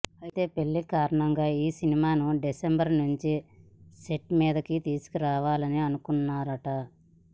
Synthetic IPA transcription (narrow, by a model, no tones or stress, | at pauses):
ɐjit̪e̞ːpe̞ɭːikaːɾɐɳɐŋɡaːiːsinimaːnuɖisembɐɾnuɲt͡ʃiseʈːmiːd̪ɐkit̪iːsu̥kiɾaːʋaːlɐniɐnukunːaːɾɐʈɐ